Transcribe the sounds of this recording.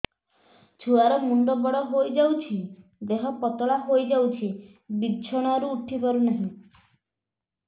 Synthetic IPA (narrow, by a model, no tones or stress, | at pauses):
t͡ʃʰuaɾɔmuɳɖɔbɔɽɔɦojd͡ʒawt͡ʃʰid̪eɦɔpɔt̪ɔɭaɦojd͡ʒawt͡ʃʰi | bidd͡ʒʰɔɽ̃ɔɾuːʈʰikɔɾunaɦĩ